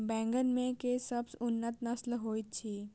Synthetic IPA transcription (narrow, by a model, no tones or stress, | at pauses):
bɛ̃ːŋɡənmẽkesəbsʊnːət̪nəslɦoːit̪̚t͡ʃʰiː